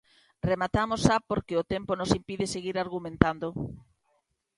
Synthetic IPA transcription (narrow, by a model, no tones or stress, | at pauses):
remat̪amosapoɾkeot̪emponosimpiðeseɣiɾaɾɣumẽnt̪and̪o